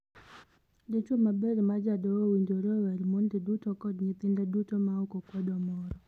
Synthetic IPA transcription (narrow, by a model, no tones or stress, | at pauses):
dit͡ʃumabeɾmad͡ʒadɔwowiɲdoɾowɛlmondɪdutɔkɔdɲɪt̪ɪndɛdutomaokokwɛdɔmɔɾɔ